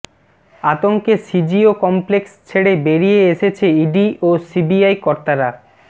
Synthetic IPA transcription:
at̪oŋkesid͡ʑiokɔmplekst͡ɕʰeɽebeɾijeeʃet͡ɕʰeiɖiʔosibiajkɔɾt̪aɾa

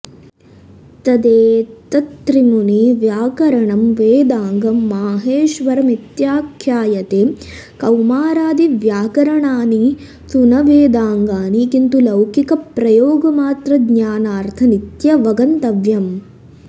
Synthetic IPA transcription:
t̪ɐd̪eːt̪ɐt̪ɾimuniʋjaːkɐɾɐɳɐmʋeːd̪aːŋɡɐmːaːɦeːʃʋɐɾɐmit̪jaːkʰjaːjɐt̪eː | kɐwmaːɾaːd̪iʋjaːkɐɾɐɳaːni | sunɐʋeːd̪aːŋɡaːnikint̪ulɐwkikɐpɾɐjoːɡɐmaːt̪ɾɐd̪ɲaːnaːɾt̪ʰɐnit̪jɐʋɐɡɐnt̪ɐʋjɐm

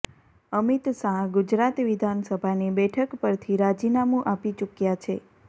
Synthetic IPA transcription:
əmit̪sãɡud͡ʒɾat̪ʋid̪ʱansəbʱanibɛʈʰəkpəɾt̪ʰiɾad͡ʒinamũʔapit͡ʃukjat͡ʃʰe

